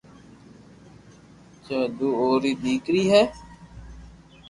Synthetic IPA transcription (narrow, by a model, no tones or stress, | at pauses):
t͡ʃaːd̪uːoːɾiːbiːkɾiːɦɛː